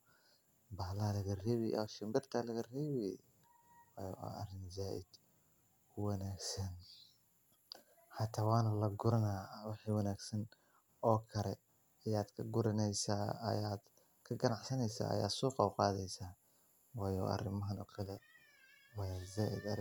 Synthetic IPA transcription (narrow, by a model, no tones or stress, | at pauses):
baːlalɐɣɐrɛːβjʔɐ̰ʃɪmbɪrt̪ʰɐlɐɣɐrɛːβɛ | wɑ̰ːjɔ̰ʔɐrɪnzaːʔɪd̪ | ʊwɑnaːɡsɐn | ħɑt̪ʰaːwɑːnɐlɐɡʊɾɐnaːwɑħiːwɑnaːɡsɐn | ɔːkʰɐlɛ | ɐjaːd̪kʰɐɡʊɾɪnɛjsaːɐ̰jaːd̪ | kʰɐɡɐnɑʕsɐnɛjsa̰ːɐ̰ja̰ːd̪sɔːqɑwqɑːðɛjsaː | wɑːjɔ̰ːʔɐ̰rɪmɐɦɐnɔkʰɐlɛ | wɑːjazaːʔɪd̪ɐ